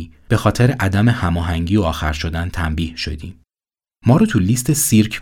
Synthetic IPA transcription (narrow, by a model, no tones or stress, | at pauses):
ib̥e̞xɒːt̪ʰeɾeʔæd̪æme̞hæmɒːɦæŋɟiːoɒːxæɾʃo̞d̪ænt̪ʰæmbiːhʃo̞̰d̪iːmː | ɒːɾut̪ʰuliːst̪ʰesiɾkʰ